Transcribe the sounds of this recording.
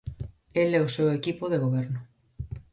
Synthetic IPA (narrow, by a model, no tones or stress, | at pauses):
elɛosewekipoðeɣ̞oβ̞eɾno